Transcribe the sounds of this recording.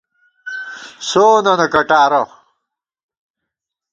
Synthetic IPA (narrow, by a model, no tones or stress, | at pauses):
soːnɐnɐkɐʈaːɾɐ